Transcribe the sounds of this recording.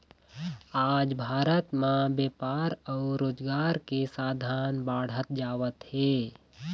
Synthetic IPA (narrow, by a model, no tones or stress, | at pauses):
aːd͡ʒbʱaːɾət̪mãbeːpaːɾɔːʊɾoːd͡ʒɡaːɾkesaːd̪ʱaːnbaːɽ̤ət̪̚d͡ʒaːʋət̪heː